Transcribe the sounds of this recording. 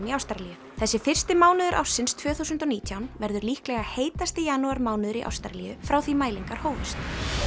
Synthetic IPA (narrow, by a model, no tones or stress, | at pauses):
niawst̪aɾlijʏ | θɛsːɪfɪr̥st̪ɪmaːwnʏðʏɾʔa̰wsːɪnst̪ʰvœːθusʏnt̪ɔniːt̪ʰjawnvɛɾðʏɾliːhklɛɣaheːjt̪ast̪ɪjaːnuaɾmaːwnɪðʏɾiʔa̰wst̪a̰ɾlijʏfɾawθimaːjliŋkaɾ̥hoːwvʏst̪